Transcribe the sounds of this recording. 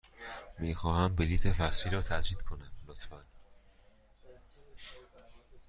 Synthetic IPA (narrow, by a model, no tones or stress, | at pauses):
miːxɒːhæmbeliːt̪ʰefæsfiːɾɒːt̪ʰæd͡ʒɾiːd̪̥kʰo̞næmlot̪fæn